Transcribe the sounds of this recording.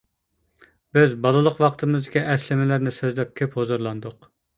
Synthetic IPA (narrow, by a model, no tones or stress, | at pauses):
bɪzbɑlˠɨlˠəqwɑqt̪ʰɨmɨzd̪ɪkʲiʔɛslɪmɪlæɾnɪsøzlɛp̚kʲʰøphozuɾlˠɑnd̪ʊq